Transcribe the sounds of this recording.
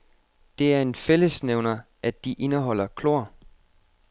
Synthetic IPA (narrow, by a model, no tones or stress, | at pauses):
d̥e̝æɐe̝nfel̰əsneʊnɐ | ʔæd̥iʔe̝nəɦɒ̽l̰ɐkʰlo̝ɐ̰